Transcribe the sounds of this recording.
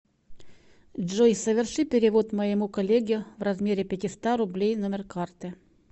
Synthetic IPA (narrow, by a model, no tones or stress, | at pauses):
ʐojsəvʲɪrʂɨpʲɪɾʲɪvo̞t̪məjɪmukɐlʲːeɡʲɪʊvɾrɐzmʲeɾʲɪpʲɪtʲɪst̪aɾʊblʲejnomʲɪrkart̪ɨ